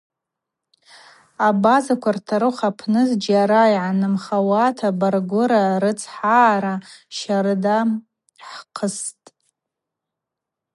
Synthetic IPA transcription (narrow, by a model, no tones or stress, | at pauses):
abazakʷʰartʰaɾɨχapʰnɨzd͡ʒaɾajʕanɨmχawatʰabarɡʷʊɾaɾɨt͡sʰħaːɾaʃaɾɨda | ħqʰəstʼ